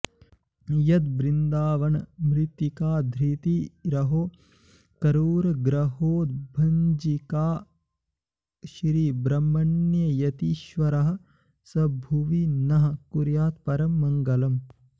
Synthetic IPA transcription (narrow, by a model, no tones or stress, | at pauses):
jɐt̪bɾind̪aːʋɐɳɐmɾit̪ːikaːd̪ʱɾit̪iɾɐɦoː | kɐɾuːɾɐɡɾɐɦoːd̪̚bʱɐɲd͡ʒikaː | ʃɾiːbɾɐmːɐɳjɐjɐt̪iʃʋɐɾɐɦɐ̆ | sɐbʱuʋinɐɦɐ̆kuɾjaːt̪pɐɾɐmːɐŋɡɐlɐm